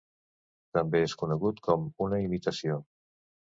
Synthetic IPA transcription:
t̪əmbeeskunəɣut̪kʰɔmunəimit̪əsio

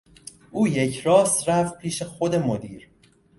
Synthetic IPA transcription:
ʔuːje̞cʰɾɒːst̪ɾæfpʰiːʃe̞xo̞d̪e̞mod̪iːɾ

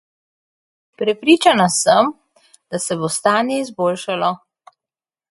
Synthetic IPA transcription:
pɾɛpɾiːt͡ʃanasəm | d̪asɛbost̪aːnjɛizboːlʃalɔ

